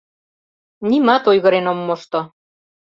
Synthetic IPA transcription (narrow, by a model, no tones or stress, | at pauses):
nimɑt̪ojɣɤ̆ɾenomːoʃt̪o